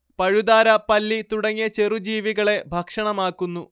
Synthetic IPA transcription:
pɐɻud̪aːɾɐpɐlːit̪uɽɐŋːjɐt͡ɕerud͡ʑiːʋiɣɐɭe̞bʱɐkʂɐɳɐmaːkːunːu

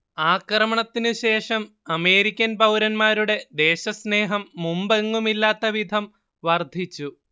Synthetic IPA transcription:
aːkrɐmɐɳɐt̪ːinɨɕe̞ːʂɐm | ɐme̞ːɾikʲːɐnpɐwɾɐnmaːɾuɽe̞d̪e̞ːɕɐsne̞ːɦɐmːumbɐŋːumilːaːt̪ːɐʋid̪ʱɐm | ʋɐrd̪ʱit͡ɕːu

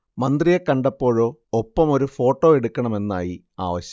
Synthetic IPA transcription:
mɐnd̪rijɐkːɐɳɖɐpːo̞ːɻo̞ːopːɐmo̞ɾufo̞ːʈːo̞ːeɽukːɐɳɐme̞nːaːji | a̰ːʋɐɕjɐ

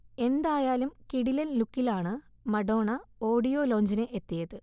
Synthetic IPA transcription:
e̞nd̪aːjaːlumkiɽilɐllukːilaːɳɨmɐɽo̞ːɳɐo̞ːɽijo̞ːlo̞ːɲd͡ʑinɨʔet̪ːijɐðɨ

